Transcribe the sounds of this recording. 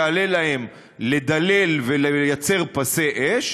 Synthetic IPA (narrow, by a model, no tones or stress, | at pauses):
ale̞lahem | le̞d̪ale̞lvelejat͡se̞ʁpaseʔeʃ